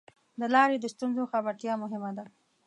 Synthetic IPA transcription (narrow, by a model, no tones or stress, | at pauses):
d̪əlɑɾed̪əst̪unzoxabaɾt̪jɑmʊɦɪmad̪a